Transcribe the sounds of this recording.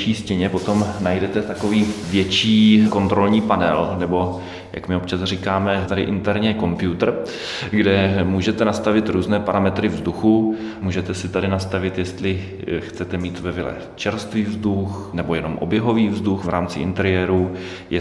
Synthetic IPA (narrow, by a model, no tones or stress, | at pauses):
t͡ʃiːscɛɲɛpo̞t̪o̞mnajdɛt̪ɛt̪ako̞viːvjɛt͡ʃiːko̞nt̪ɾo̞lɲiːpanɛlnɛbo̞ | jʔa̰kmɪopt͡ʃasr̝ikaːmɛt̪adɪʔɪnt̪ɛɾɲɛko̞mpjut̪r̩ | ɡdɛmuːʒɛt̪ɛnast̪avɪt̪ɾuːznɛːpaɾamɛt̪ɾɪvzduxumuːʒɛt̪ɛsɪt̪adɪnast̪avɪt̪jɛst̪lɪ | xt͡sɛt̪ɛmiːt̪vɛvɪlɛ̰ | t͡ʃɛɾst̪viːvzd̪uxnɛbo̞jɛno̞mʔo̞̰bjɛɦo̞viːvzduxvɾa̰ːmt͡sɪʔɪ̰nt̪ɛɾɪjɛːɾu | jɛ